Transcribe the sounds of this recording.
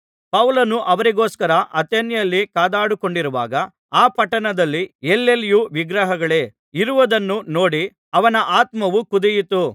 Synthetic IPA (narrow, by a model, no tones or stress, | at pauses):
pɐʋlɐnuʔɐʋɐɾiɡoːskɐɾɐʔɐt̪enjɐlːikaːd̪aːɽuko̞ɳɖiɾuʋa̰ːɡɐ | aːpɐʈɐnɐd̪ɐlːielːeljuʋiɡɾɐɦɐɡɐɭe̞ː | iɾuʋɐd̪ɐnːuno̞ːɽi | ɐʋɐnɐʔaːt̪mɐʋukud̪ɛjit̪u